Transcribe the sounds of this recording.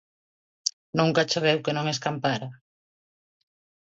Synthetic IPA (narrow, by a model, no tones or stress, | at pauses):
nũŋkat͡ʃeβewkenõŋeskampaɾa